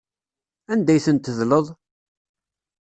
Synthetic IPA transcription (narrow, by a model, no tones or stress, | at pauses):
ænd̪æjθənt̪ːəðləðˤ